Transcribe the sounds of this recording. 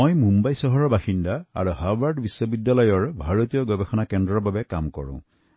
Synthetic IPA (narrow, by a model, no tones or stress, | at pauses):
ojmũmbajsɔɦɔɹɔbaxindaa̰ɹuhabaɹɖbisːɔbidːalɔjɔɹbʱaɹot̪ijɔɡɔbɛxɔnakɛndɹɔɹbabɛkamkɔ̰ɹṵ̃